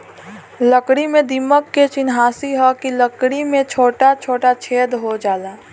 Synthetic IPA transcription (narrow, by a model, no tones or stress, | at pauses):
ləkɽimẽd̪iməkːet͡ʃɪnɦaːsiɦɛkiləkɽimẽt͡ʃʰoːʈat͡ʃʰoːʈat͡ʃʰeːd̪ɦod͡ʒaːlaː